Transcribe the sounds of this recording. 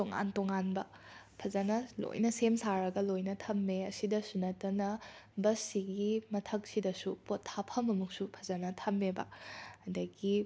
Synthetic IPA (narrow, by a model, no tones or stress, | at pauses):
toŋa̰ntoŋanbɐ | pʰɐzɐnɐlo̰jnɐsemsaɾɐɡɐlojnɐtʰɐmːeɐsidɐsunɐtɐnɐbɐsiɡimɐtʰɐk̚sidɐsupotʰːapʰɐmɐmuk̚supʰɐ̥zɐnɐtʰɐmːebɐ̰ɐdɐɡi